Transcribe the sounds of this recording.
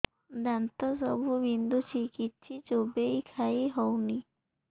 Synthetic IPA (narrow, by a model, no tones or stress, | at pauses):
d̪ant̪ɔsɔbʱubind̪ut͡ʃʰikit̪ːt͡ʃʰit͡ʃobejkʰaiɦɔwni